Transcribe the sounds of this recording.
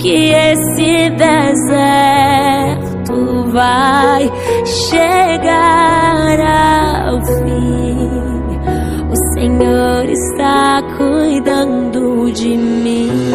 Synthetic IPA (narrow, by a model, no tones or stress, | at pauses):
kɪesɪd̪ezɛ | ɾt̪ʊ | vaj | ʃeɡa | ɾaa̰wfĩ | ʊseɲoɾɪ̰st̪akʰujd̪ɐ̃nd̪ʊd͡ʒɪmĩ